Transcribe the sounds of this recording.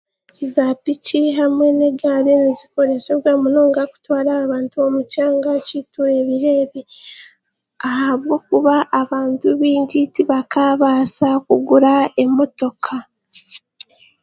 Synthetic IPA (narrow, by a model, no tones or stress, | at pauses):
zapiciɦamwe̞ne̞ɡaɾenziko̞ɾe̞seβwamunoːŋɡaku̥twaːɾaːβaːntuomucaːŋɡacituɾe̞βiɾe̞βi | ahaβwo̞ːkuβaʔːβaːntuβiːɲɟitiβakaːβaːsakuɡuɾae̞mo̞to̞kʰa